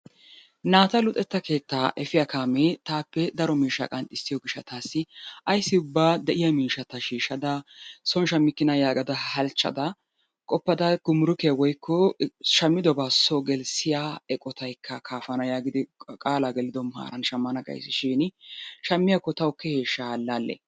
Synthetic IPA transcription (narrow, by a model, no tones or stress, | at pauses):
naːt̪ɐlʊt̪ʼɛt̪ːɐke̞ːt̪ːaːʔɛfɪjɐkʰaːmet̪aːpːɛd̪ɐɾɔmiːʃɐ̰kʼɐnt̪ʼɪsːɪjɔɡɪʃːɐt̪aːsːɪʔɐjsːɪʊbːaːd̪ɛʔɪjɐmiːʃɐt̪ɐʃiːʃɐd̪ɐsɔnʃɐmːɪkːɪnɐjaːɡɐd̪ɐhɐlt͡ʃʼːɐ̰d̪ɐ | kʼɔpːɐd̪ɐɡ̥ʊmʊɾʊkɪjɐwɔjkːɔʃɐmːɪd̪ɔbaːsɔɡɛlsɪjaɛkʼɔt̪ɐjkʰːɐkʰaːfɐnɐjaːɡɪd̪ɪkʼaːlaɡɛlɪd̪ɔmʊha̰ːɾɐnʃɐmːɐnɐɡɐ̰jsːɪʃiːnʃɐmːɪjakːɔt̪ɐʊkːɛheːʃːalːaːlːɛ̰